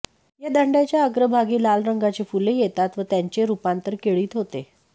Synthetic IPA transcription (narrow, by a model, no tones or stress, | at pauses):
jad̪əɳɖjat͡ɕjaəɡɾəbʱaɡiːlalɾəŋɡat͡ɕefulejet̪at̪ʋət̪jaɲt͡ɕeɾupant̪əɾkeɭiːt̪ɦot̪e